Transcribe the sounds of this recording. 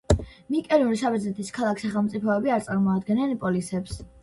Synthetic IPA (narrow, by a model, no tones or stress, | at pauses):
mikʼɛɾiuɾiʃabɛd̪zɛt̪ʰiskʰalˠakʰsaχɛlˠmt̪sʼipʰɔɛbiaɾt̪sʼaɾmɔad̪ɡɛnɛnpʼɔlisɛps